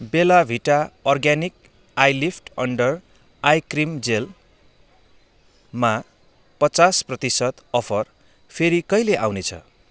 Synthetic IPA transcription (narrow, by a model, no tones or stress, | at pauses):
belabʱiʈaʌrɡanik | ajlipʰʈʌɳɖʌr | ajkrimd͡zel | ma | pʌt͡sasprʌt̪isʌt̪ʌpʰʌr | pʰeɾikʌjleʔawnet͡sʰʌ̰